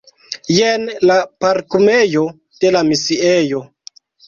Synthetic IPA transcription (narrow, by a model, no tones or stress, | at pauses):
jenlapaɾkumejo | d̥e̞lamisiejo